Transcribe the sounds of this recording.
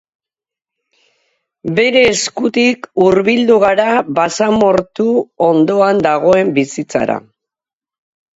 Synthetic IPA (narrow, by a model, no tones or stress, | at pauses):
be̞ɾe̞ːskut̪ikuɾβild̪uɣ̞aɾaβasamo̞ɾt̪uo̞nd̪o̞and̪aɣ̞o̞e̞mbisit͡sa̰ɾa̰